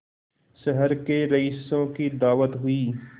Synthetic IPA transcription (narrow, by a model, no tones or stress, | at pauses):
səɦəɾkeɾɐisːõkid̪aːʋət̪ɦʊiː